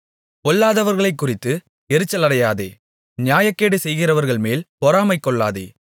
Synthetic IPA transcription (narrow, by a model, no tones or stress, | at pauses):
kɔɭːaːðɐʋɐɾɣɐɭɐɪkːʊrɪt̪ːɯ | ɛɾɯt͡ʃːɐlɐɽɐjaːðḛː | nɪjaːjɐkːeːɽɯsɛjɣɪrɐʋɐɾɣɐɭmeːlpɔɾaːmɐɪkːɔɭːaːðḛː